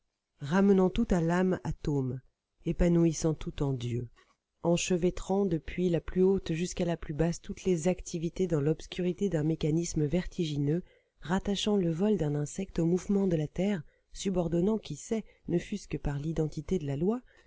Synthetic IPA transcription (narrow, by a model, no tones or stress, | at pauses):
ʁamənɑ̃t̪ut̪alamat̪om | epanuisɑ̃t̪ut̪ɑ̃d̪jø | ɑ̃ʃəvɛt̪χɑ̃d̪əpɥilaplyot̪ʒyskalaplybast̪ut̪lezakt̪ʰivit̪ed̪ɑ̃lɔpskʲyʁit̪ed̪ɛ̃mekanisməvɛʁt̪ʰiʒinø | ʁat̪aʃɑ̃ləvɔld̪ɛ̃nɛ̃sɛk̚t̪omuvmɑ̃d̪əlat̪ɛːʁ | sybɔʁd̪ɔnɑ̃kʲisɛ | nəfyskəpaʁlid̪ɑ̃t̪it̪ed̪əlalwa